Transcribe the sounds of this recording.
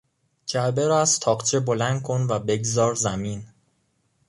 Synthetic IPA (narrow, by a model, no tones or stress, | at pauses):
d͡ʒæɾbeɾɒæzt̪ʰɒːqt͡ʃʰebo̞lænd̪̚kʰo̞nvæbe̞ɡzɒːɾzæmiːn